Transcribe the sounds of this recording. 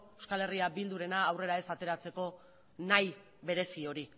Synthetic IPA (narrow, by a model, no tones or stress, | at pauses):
ewskale̞riabild̪uɾe̞naːwre̞ɾae̞sat̪e̞ɾat͡se̞ko̞ | naj | βe̞ɾe̞sio̞ɾi